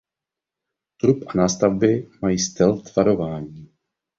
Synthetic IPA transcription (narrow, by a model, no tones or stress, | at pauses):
t̪ɾupʔanaːst̪avbɪmajiːst̪ɛlt̪v̥aɾo̞vaːɲiː